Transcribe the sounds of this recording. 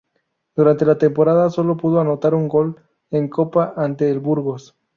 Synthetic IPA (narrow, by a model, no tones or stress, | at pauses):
d̪̥uɾant̪e̞lat̪e̞mpo̞ɾaðaso̞lo̞puð̞o̞ano̞t̪aɾuŋɡo̞l | eŋko̞paʔant̪eːlβuɾɣo̞s